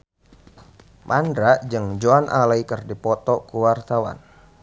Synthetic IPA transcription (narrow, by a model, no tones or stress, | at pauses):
mandɾaʔd͡ʒɨŋd͡ʒoanʔalaikərdipɔt̪ɔkuwart̪awa̰n